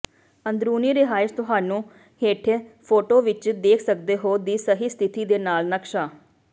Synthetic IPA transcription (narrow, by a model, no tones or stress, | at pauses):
ənd̪ɾuːniːɾɪɦaːɪʃt̪ʊɦaːnũː | heːʈʰːpʰoːʈoːʋɪt͡ʃd̪eːkʰsəkd̪eːɦoːd̪iːsəɦiːst̪ʰɪt̪iːd̪eːnaːlnəkʃaː